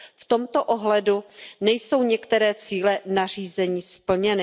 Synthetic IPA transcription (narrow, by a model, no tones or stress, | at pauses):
ft̪o̞mt̪o̞ʔoɦlɛdunɛjso̞wɲɛkt̪ɛɾɛːt͡siːlɛnar̝iːzɛɲiːspl̩ɲɛnɪ